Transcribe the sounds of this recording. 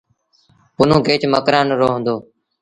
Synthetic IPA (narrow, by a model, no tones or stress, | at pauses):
pʊnũːɡeːt͡ʃməkɾãːnɾoːɦə̃nd̪oː